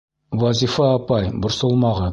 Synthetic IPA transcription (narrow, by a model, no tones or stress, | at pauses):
wɑzʲifɑːpɑjbŏɾsŏlˠmɑʁɤ